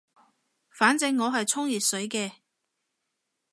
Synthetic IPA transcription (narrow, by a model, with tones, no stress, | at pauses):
faː˨˥nt͡sɪ˧ŋːɔː˨˧ɦɐ˨jt͡sʰʊ˥ŋjiː˨˩t̚sɵ˨˥jkɛː˧